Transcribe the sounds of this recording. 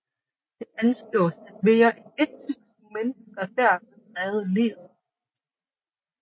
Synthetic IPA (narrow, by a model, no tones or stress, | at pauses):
d̥e̝ænsɡ̥lɔ̰̽ːsæd̥ʋe̝ːɐʔee̝d̥̚t͡sʰys̩ | menəsɡæd̥æɐ̰d̥̚e̥ʁɛːð̩ˠlḭːð̩ˠ